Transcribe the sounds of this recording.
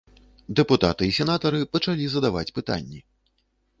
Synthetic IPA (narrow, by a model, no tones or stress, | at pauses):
d̪ɛput̪a̰t̪ɨisʲɛnat̪ɐɾɨpɐt͡ʂalʲizɐd̪ava̰t͡sʲpɨt̪a̰nʲːi